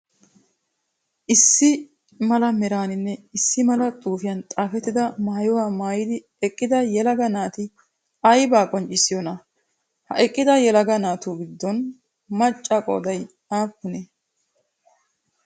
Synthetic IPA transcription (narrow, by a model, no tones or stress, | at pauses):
ʔɪsːɪ | mɐlɐmɛɾaːnɪnːɛɪsːɪmɐlɐt̪ʼuːfɪjɐnt̪ʼaːfɛt̪ːɪd̪ɐmaːjɔwaːmaːjɪd̪ɪ | ɛkʼːɪd̪ɐjɛlɐɡɐnaːt̪ɪ | ɐjbaːkʼɔnt͡ʃʼɪsɪjɔnɐ | hɐ̰ʔɛkʼːɪd̪ɐjɛlɐɡɐnaːt̪uːɡɪd̪ːɔn | mɐt͡ʃʼːɐkʼɔ̰ːd̪ɐj | aːkːʊnɛ